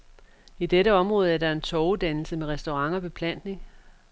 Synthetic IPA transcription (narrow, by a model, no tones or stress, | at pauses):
id̥eɾəɒ̽mʁɔ̽ːð̞̩ˠæɐɾɑ̈e̝nt͡sʰɒʊd̥ænl̩səmeʁɛsd̥o̝ʁɑ̈ŋɒ̽b̥e̝pʰlæn̰d̥ne̝ŋ